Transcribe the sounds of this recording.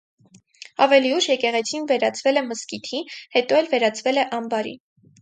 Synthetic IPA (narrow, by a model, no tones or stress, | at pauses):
ɑvɛliuʃjɛkɛʁɛt͡sʰinvɛɾɑt͡sʰvɛlɛməskit̪ʰihɛt̪ɔɛlvɛɾɑt͡sʰvɛlɛʔɑmbɑɾḭ